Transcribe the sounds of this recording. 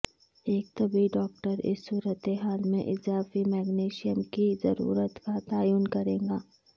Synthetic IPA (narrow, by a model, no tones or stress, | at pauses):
eːk̚t̪ɐbʱiɖɔːk̚ʈəɾɪ̰sːuːɾət̪eɦaːlmḛ̃ʔɪzaːfimɛːɡneːʃijəmkizɐɾṵːɾət̪kat̪aːjuːnkɐɾẽːɡaː